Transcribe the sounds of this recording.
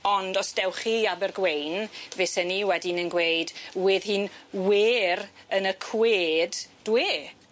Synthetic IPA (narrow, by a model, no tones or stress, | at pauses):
ɔndɔsd̥ɛwχiːabərɡwejnvesəniwɛdinənɡwejdwɪðhɨːnweːɾənəkʰweːdd̥weː